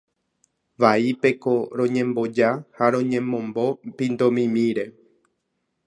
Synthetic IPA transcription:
ʋaipe̞ko̞ɾõ̞ɲẽ̞mbo̞d͡ʒahaɾõ̞ɲẽ̞mõ̞mbo̞pĩnd̪õmĩmĩɾe̞

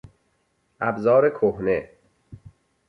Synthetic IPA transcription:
ʔæbzɒːɾekʰohne

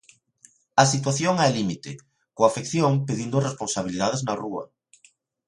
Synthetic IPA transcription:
ɐsit̪̬waθjoŋɛlimit̪ɪ | koafekθjoŋpeðind̪ʊresponsaβ̞ilið̞aðeznɐruɐ̰

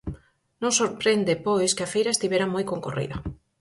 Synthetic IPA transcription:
nõŋsoɾpɾend̪epojskeafejɾaest̪iβeɾamojkoŋkorḭðɐ

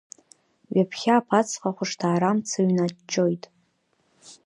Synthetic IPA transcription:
ɥapʰχʲaːpʰat͡sʰqʼaχʷʊʂtʰaːɾamt͡sʰaɥnat͡ʃʼːo̞jtʼ

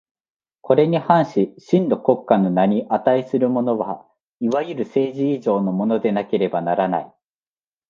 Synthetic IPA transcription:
kʰo̞ɾe̞ɲ̟ihãɰ̃ɕiɕĩnd̪o̞ko̞kːano̞naɲ̟iʔat̪aisɨɾɯ̟mo̞no̞βa | iβajɯɾɯ̟se̞ːʑiːʑo̞ːno̞mo̞no̞d̪e̞nake̞ɾe̞banaɾana̰i

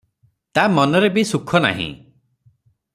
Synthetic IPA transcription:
t̪amɔnɔɾebisukʰɔna̰ɦḭ̃

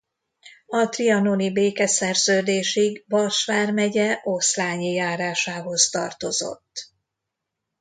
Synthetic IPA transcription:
ɒt̪riɒno̞nibeːkɛsɛrzøːd̪eːʃiɡvɒrʃʋaːrmɛɟɛʔoslaːɲijaːɾaːʃaːɦo̞zt̪ɒ̰rt̪o̞zo̞̰t̪ː

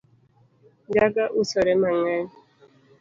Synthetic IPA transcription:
d͡ʒaɡaʔusɔɾɛmaŋaɾ

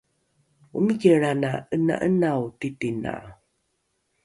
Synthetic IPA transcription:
umiɡeɾanaəna̰ʔənawtitina̰

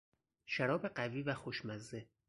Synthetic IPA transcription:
ʃæɾɒːbe̞ɢæviːvæxoʃmæzːe

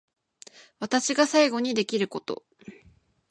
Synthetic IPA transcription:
βat̪aɕiɡasaiɡo̞ɲ̟id̪e̞kʲiɾɯ̟ko̞t̪o̞̰

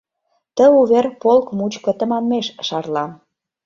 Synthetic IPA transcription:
t̪ə̆uβerpolkmut͡ɕkə̆t̪ə̆mɑmːeʃʃɑrlɑn

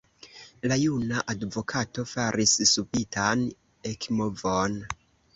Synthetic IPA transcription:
lajunaʔadvo̞kʰato̞faɾʔissupitan | ekmovon

